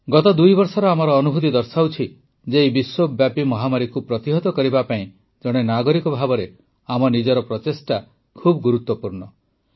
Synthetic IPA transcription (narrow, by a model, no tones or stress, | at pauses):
ɡɔt̪ɔd̪ujbɔɾsɔɾɔamɔɾɔːnubʱut̪id̪ɔɾsawt͡ʃʰi | d͡ʒeibiswobjapimɔɦamaɾikupɾɔt̪iɦɔt̪ɔkɔɾibapaĩ | d͡ʒɔɽ̃enaɡɔɾikɔbʱabɔɾe | amɔnid͡ʒɔɾɔpɾɔt̪esʈa | kʰubɔɡuɾut̪wɔpuɾɳɔ